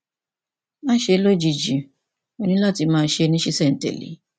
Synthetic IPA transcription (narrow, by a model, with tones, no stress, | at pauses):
ã˦ʃe˧˦lo˦d͡ʒi˧d͡ʒi˨ | o˧˦nĩ˦la˦˨ti˧mãː˦˧˦ʃe˧˦nĩ˦ʃi˦sɛ˦˨n̩˨tɛ̰˨lḛ˨˦